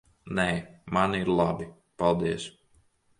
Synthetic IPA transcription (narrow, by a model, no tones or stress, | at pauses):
nɛːmaniɾlˠabi | palˠd̪iɛs